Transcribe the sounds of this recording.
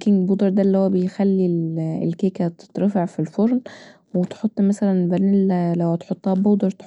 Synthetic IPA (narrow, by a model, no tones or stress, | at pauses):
kinbuːd̪ˤɑɾˤd̪ælːihowːæbejxælːilelkeːkæt̪t̪ɾˤɑfɑʕfilfoɾˤn | wet̪ħot̪ˤːmæsælænlbælillæwhæt̪ħot̪ˤːhæːboːd̪ɑɾˤt̪